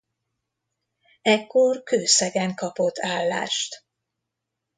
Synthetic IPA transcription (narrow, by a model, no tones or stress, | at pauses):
ɛkːorkøːsɛɡɛŋkɒpot̪ʰːaːlːa̰ːʃt̪